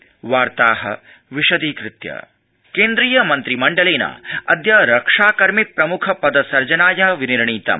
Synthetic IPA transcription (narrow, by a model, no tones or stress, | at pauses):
ʋaːɾt̪aːɦɐ̰ | ʋiʃɐd̪iːkɾɪt̪jɐ̰ | keːnd̪ɾiːjɐmɐnt̪ɾimɐɳɖɐleːnɐ̰ɐd̪jɐɾɐkʂaːkɐɾmipɾɐmukʰɐpɐd̪ɐsɐɾd͡ʒɐnaːjɐɦɐʋiniɾɳiːt̪ɐ̰m